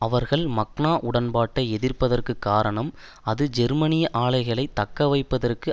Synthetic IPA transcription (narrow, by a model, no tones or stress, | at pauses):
ɐʋɐɾɣɐɭmɐkɳaːʔʊɽɐnbaːʈːɐɛðɪrpɐðɐrkɯkːaːɾɐɳɐm | ɐðɯd͡ʒɛɾmɐnɪjɐʔaːɭɐɪɣɐɭɐɪt̪ːɐkːɐʋɐɪpːɐðɐrkɯ